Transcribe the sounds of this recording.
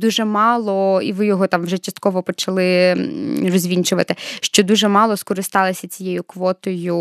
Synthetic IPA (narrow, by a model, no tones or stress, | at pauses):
d̪uʒɛmɑlˠɔḭʋɪjɔɦɔt̪ɑmwʒɛt͡ʃɐst̪̚kɔʋɔpɔt͡ʃɐlˠɪ | rɔzʲʋʲinʲt͡ʃʊʋɐt̪ɪʃt͡ʃɔd̪uʒɛmɑlˠɔskɔɾɪst̪ɑlˠɪsʲɐt͡sʲijɛjʊkʋɔt̪ɔjʊ